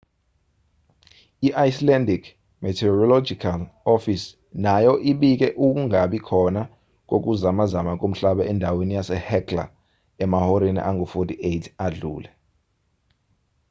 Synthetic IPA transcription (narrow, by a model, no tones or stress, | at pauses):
iʔajslɛndikʰ | mɛtʰɛɔrɔlɔd͡ʒikʰalɔfis | najɔʔiɓik̬ʼɛʔuk̬uŋʱaɓikʰɔna | k̬ok̬ʼuzamazamak̬ʼom̩ɬaɓɛɛndʱawenijasɛhɛkʰla̰ | ɛmahɔɾenḭʔaŋɡʱɔfotʰiejtʰaɮṵːlɛ